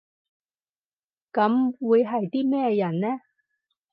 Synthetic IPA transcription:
kɐ˨˥mwuː˨˧jɦɐ˨jt̪iː˥mɛː˥jɐ˨˩nnɛː˥

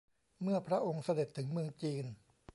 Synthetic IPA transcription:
mɯ˥˩ɐpʰɾa˦˥ʔo˧ŋsa˧de˨˩t̪ʰːɯ˩˦ŋmɯ˧əŋt͡ɕiː˧n

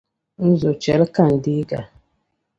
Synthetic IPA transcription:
n̩˦zo˨t͡ʃɛ˨˦lka˦˨n̩˨di˦ɡa̰˨

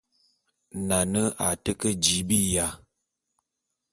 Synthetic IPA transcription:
na˨nə˦a̰˨tə˦kə˦d͡ʒi˨˦bi˦˨ja˨˦

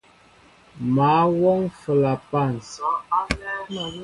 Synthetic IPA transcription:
ma˨˦wɔ˦ŋfə˨la˨pa˦˨ns

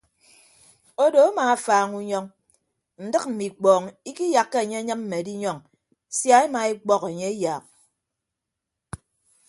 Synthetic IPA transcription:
o˦do˨a˦maː˨a˦faː˨ŋu˦ɲɔ˦ŋ | n̩˨dɨ˦k̚m̩˨mi˨k͡pɔː˨ŋi˦ki˦ja˨kːe˦e˨ɲe˦ɲɨ˦m̚m̩˦me˨di˦ɲɔ˦ŋ | sja˦e˦ma˨e˦k͡pɔ˦ke˨ɲe˦e˦jaː˨k̚

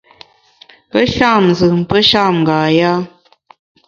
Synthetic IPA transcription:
ə˦ʃa˦˨m˨zɨ˨m̩˨pə˦ʃa˦˨mŋɡaː˨ja˦

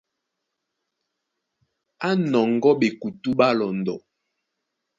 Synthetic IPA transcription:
a˦nɔ˨ŋɡɔ˦ɓe˨ku˨tu˦ba˦lɔ˨ndɔ˨

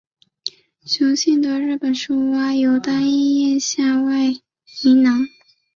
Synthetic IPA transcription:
t͡ɕʰjo˧˥ʊɕi˥˩nd̪ə˧˦ɻɻ̩˥˩pə˨˩nʂu˥˩wa˥jo˧˥ʊt̪a˥ni˥˧jɛ˥˧nɕja˥˧wa˥˩ɪ | i˧˥nɑ˧˥ŋ

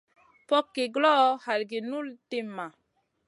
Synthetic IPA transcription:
pɔ˦kːe˨ɡlɔ˦ha˨lɡe˨nu˦lte˦mːa˨

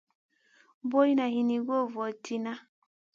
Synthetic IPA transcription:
bo˦i˦na˨hi˨ni˨ɡo˦˨vɔ˨tʰi˨na˦

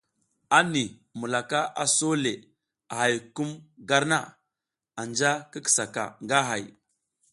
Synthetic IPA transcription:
a˦ni˨ | mu˨la˨ka˦ʔa˨so˦le˨ | a˨ɦa˨jku˦mɡa˦ɾna̰˦˨ | a˨nd͡ʒa˦kə˦ki̥˨sa˨ka̰˨ŋɡa˦ɦa˨j

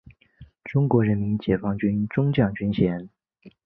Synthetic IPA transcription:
ʈ͡ʂʊ˥ŋkwɔ˧˥ɻə˧˥nmi˧˥nt͡ɕjɛ˨˩fɑ˥ŋt͡ɕy˥nʈ͡ʂʊ˥ŋt͡ɕjɑ˥˩ŋt͡ɕy˥nɕjɛ˧˥n

